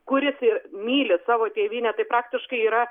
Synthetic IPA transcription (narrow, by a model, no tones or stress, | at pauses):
kʊɾʲɪsɪrmʲiːlʲɪsɑːʋoːt̪ʲeːʋʲiːnʲɛt̪ɐɪpɾɑːk̚t̪ʲɪʃkɐɪiːɾɐ